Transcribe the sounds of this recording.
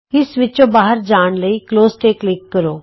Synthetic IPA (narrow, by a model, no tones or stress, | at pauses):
ɪsʋɪt͡ʃõbaːɦəɾd͡ʒaːɽ̃ləikloːzʈeːklɪkːəɾoː